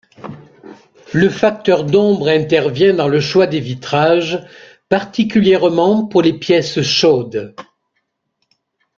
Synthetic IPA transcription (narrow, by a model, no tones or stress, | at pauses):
ləfak̚t̪œʁd̪ɔ̃bʁɛ̃t̪ɛʁvjɛ̃d̪ɑ̃ləʃwad̪evit̪χaʒ | paʁt̪ikʲyljɛʁmɑ̃puʁlepjɛsʃod̪